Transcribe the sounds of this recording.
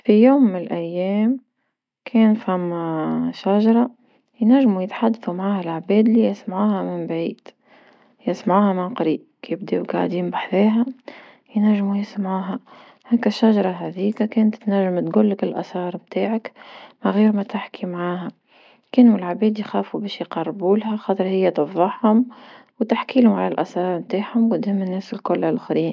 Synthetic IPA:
fijuːmːɪnɪlʔæjːɛːm | kʰɛːnfæmːʃaʒɑɾˤɑ | jnæʒːmujɪt̪ħad̪ːθumaʕaːhælʕbɛːd̪lijsmʕuːhæmɪmbʕiːd̪̥ | jɪsmaʕuːhæmɪnqɑɾiːʔkjɪb̚d̪iwɡa̰ʕd̪iːmbaħðeːɦæ | jnæʒːmujɪsmʕuːɦæ | hæːkæʃːaʒɑɾˤɑɦæðiːkakeːnt̪t̪næʒːɪmt̪ɡʊlːɪkɪlʔæ̰sɑːɾˤmt̪aːʕakmaɣiːɾmæt̪ɪħkʰimʕaːɦæ | keːnuɪlʕabeːd̪ijxaːfubɛːʃjqɑrˤːbuːlɦæxɑːt̪ˤɨɾhɪjːæt̪ɨfðˤɑħhʊm | wt̪aħkiːlhʊmʕalælʔæsɑːɾˤmt̪aːħhʊmkʊd̪hɪmːɪnːeːsɪlkʊlːalxɾiːn

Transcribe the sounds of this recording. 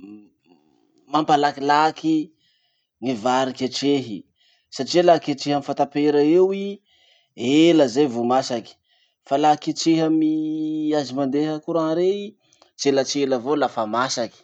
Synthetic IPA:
mampalakilaki | ŋivaɾikeʈ͡ʂeɦi | saʈ͡ʂielakeʈ͡ʂeɦəmifant̪apeɾəewi | eləzajvumasaki̥ | falakeʈ͡ʂeɦəmiazimand̪eɦəkuɾaŋɾei | zelat͡ʃeləvolafamasaki̥

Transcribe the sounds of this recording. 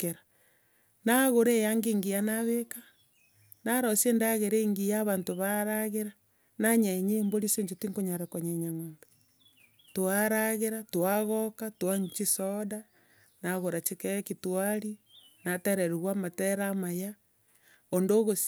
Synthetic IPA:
keɾa | naɣoɾejaŋɡeːŋɡijanaβeka | naɾosendaɣeɾeŋɡijaβaːntoβaɾaɣeɾa | naɲaeɲeːmboɾiseɲd͡ʒotiŋkoɲaɾakoɲeɲamoːmbe | toaɾaɣeɾatwaɣokatwaɲt͡ʃisoda | naɣoɾat͡ʃekeekitwaɾinateɾeɾuɣwamateɾamaja | ondoɣo

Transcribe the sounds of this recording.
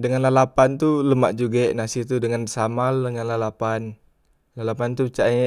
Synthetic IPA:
dəŋanlalapant̪uləma̰ʔd͡ʒuɡɛʔnasit̪udəŋansamaldəŋanlalapan | lalapant̪ut͡ʃaɲ

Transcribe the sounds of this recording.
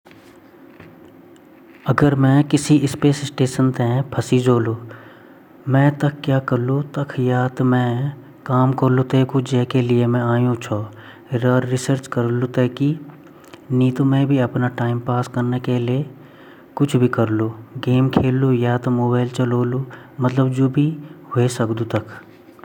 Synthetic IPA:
ɐɡəɾmɛ̃kɪsiɪspeːsɪsʈeːʃənt̪ɦɛ̃pʰɐsid͡ʒoːloː | mɛ̃ːt̪ɐkʰːjaːkɐɾlũt̪ɐkʰjaːt̪mɛ̃ | kaːmkɐɾlũt̪eːkʊd͡ʒɛːkeliemɛ̃aːjũt͡ʃʰoː | ɾəːɾːɪsəɾt͡ʃkɐɾlut̪eːki | niːt̪õmẽbʱiɐpnaʈaːɪmpaːskɐɾnekelie | kʊt͡ʃʰbʱikɐɾluːɡeːmkʰeːlːujaːt̪moːbaːɪlt͡ʃɐloːlumɐt̪ləbd͡ʒoːbʱiɦʊesɐkd̪ut̪ɐkʰ

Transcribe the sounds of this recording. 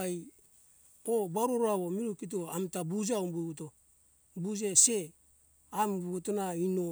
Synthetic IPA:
aj | obaɾoɾoaβo̞miɾukit̬oamtabud͡ʒaumbuβuto | bud͡ʒese̞ | ambuβutonaino

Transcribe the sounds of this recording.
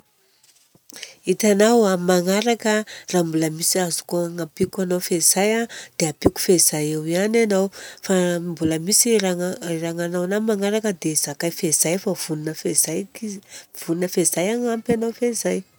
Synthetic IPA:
it̪anawamaŋaɾakəraːmbuləmisiazu̥koaŋapikanawfez̥ajad̪̥eapiku̥fez̥ajewiananawfambuləmisiraraŋanawanamaŋaɾakəd̪ez̥akajfez̥ajfav̥unnəfezaj | v̥uninəfezajaŋampanowfezaj

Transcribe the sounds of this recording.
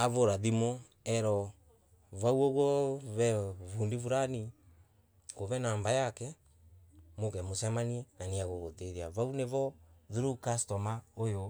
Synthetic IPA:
aβoɾaðimo | ɛɾɔ | βawoɣɔβɛvundivuɾani | koβɛnaːmbajakɛ | mokɛmosamaniɛnaniaɣoɣoteðiaβauneβɔðuɾukastɔmaojo

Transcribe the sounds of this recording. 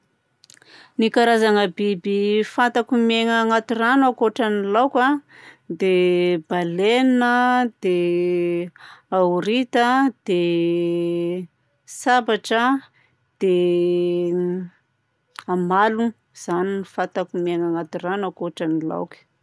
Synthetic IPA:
nikaɾazaŋəbibifant̪akumeŋəŋat̪iranakoʈ͡ʂanilawkʲad̪eb̥alenəd̪̥e | auɾit̪əd̪̥e | sabaʈ͡ʂə | d̪̥e | amalu | z̥aninifat̪akumeŋaŋat̪iranakoʈ͡ʂanila̰wkə̥

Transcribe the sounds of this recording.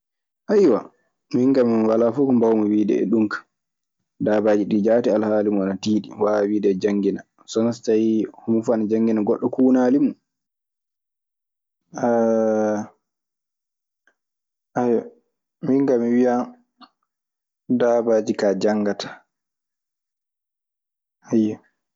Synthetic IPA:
ʔajwa | miŋɡamiwalafukɔmbawmɔwiːdɛ̰ɛ̰ɗumkḁ | daːbaːd͡ʒiɗid͡ʒaːtialhaːlimuanatiːɗḭwawiːdɛːd͡ʒaŋɡina | sɔnastajhumufanad͡ʒaŋɡinaɡɔɗːɔkuːnaːlimu | a | ʔajɔ | miŋɡamiwija | daːbaːd͡ʒikad͡ʒaŋɡatḁ | hajːa

